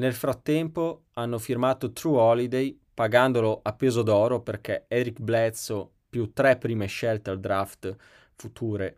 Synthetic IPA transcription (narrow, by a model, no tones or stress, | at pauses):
nelfɾat̪ːɛmpo | anːofirmaːt̪ot̪ɾuɔlid̪ej | paɡand̪oloʔapːeːzod̪ɔːɾoperk̟ɛɛɾikblɛt̪so | pjut̪ːɾɛpːɾiːmeʃɛlt̪eald̪ɾaft̪ | fut̪ʰuːɾe